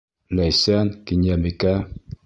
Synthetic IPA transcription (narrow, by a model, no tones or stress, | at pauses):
lajsankiɲameka